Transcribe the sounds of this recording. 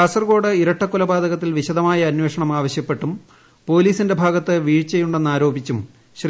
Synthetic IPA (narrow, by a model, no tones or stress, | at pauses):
asɐrɡo̞ːɽɨiɾɐʈːɐkːulɐbaːd̪ɐɣɐt̪ːilʋiɕɐd̪ɐmaːjɐːnwe̞ːʂɐɳɐmaːʋɐɕjɐpːe̞ʈːum | po̞ːliːsinde̞bʱaːɡɐt̪ːɨʋiːɻt͡ɕe̞jːuɳɖenːaːɾo̞ːbit͡ɕːum | ɕr